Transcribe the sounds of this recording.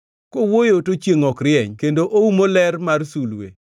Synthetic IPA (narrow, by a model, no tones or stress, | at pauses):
kowojotot͡ʃjeŋɔkɾɪɛɲkendoʔoumolɛrmarsulwḛ